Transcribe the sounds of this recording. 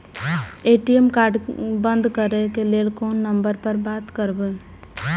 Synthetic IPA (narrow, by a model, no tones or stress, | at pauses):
eʈiemkaɾɖbənd̪ʱkəɾɛkelelkonːəmbəɾpəɾbat̪kəɾbe